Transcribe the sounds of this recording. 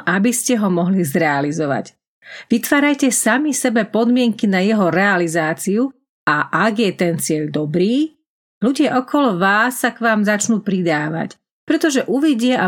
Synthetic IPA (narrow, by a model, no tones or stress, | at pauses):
ʔabiscɛɦɔmɔɦlizɾɛalizɔʋa̰c | ʋit̪ʋaːɾajcɛsamisɛbɛpɔd̪mɪɛŋkinajɛɦɔɾɛalizaːt͡siu | aʔaɡjɛt̪ɛnt͡sɪɛʎd̪ɔbɾiː | luɟɪaʔɔkɔlɔʋaːsːakʋaːmzat͡ʃnuːpɾid̪aːʋa̰c | pɾɛt̪ɔʒɛʔuʋiɟɪaʔa